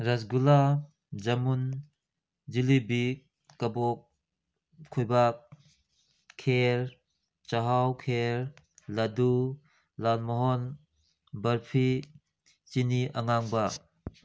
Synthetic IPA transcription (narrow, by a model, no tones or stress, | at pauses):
ɾas̬ɡula | d͡ʒamun | d͡ʒilibik̚ː | abɔk̚ʰː | ujbak̚ | kʰːeɾ | t͡ʃaɦawkʰeɾ | ladu | lalmɔɦɔn | bɐɾpʰi | t͡ʃiniʔaŋaŋba